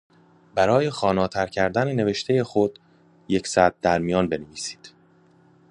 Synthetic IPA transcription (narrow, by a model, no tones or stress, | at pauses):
bæɾɒːje̞xɒːnɒːt̪ʰæɾcʰæɾd̪ænene̞ve̞ʃt̪ʰe̞je̞xo̞d̪̥ | jecsæd̪̚d̪æɾmijɒːnbe̞neviːsi̥ːd̪̥